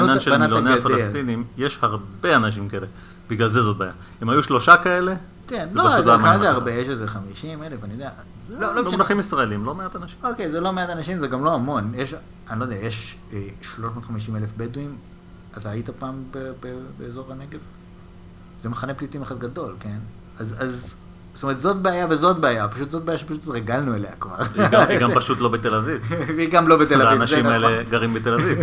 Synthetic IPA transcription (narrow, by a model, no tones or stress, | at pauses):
nnanʃelanmnailjoaneafalaest̪inimjeʃhaʁbeanaʃ̬imkaele̞ | b̥iɡlalzezot̚baːja | emhajuʃlo̞ʃakae̞le̞ | kenzeloaʃut̪laakmaamazeaʁbejeʃezeχamiʃimelefanijodea | zoloolaχimisʁaelimlo̞meat̪anaʃiokejzelo̞meatanaʃimzeɡamlo̞amo̞njeʃ | anilo̞d̪eajeʃeʃlo̞ʃmoːt̪χamiʃ̬imelefbeduim | at̪aːitapaːmbebebeːzo̞ʁaneɡe̞v | z̥emeχaneplitimeχad̪ɡado̞lke̞n | azaz | st̪omeʁet̪zo̞tbeajavezo̞t̚beajapaʃut̪zo̞t̚beajaʃepaʃut̪ʁeɡalnuelejakva̰ʁiɡampaʃut̪lo̞bet̪elavivveiɡamlo̞bet̪elaaivnaʃeiaeleɡɐʁimbet̪elaviv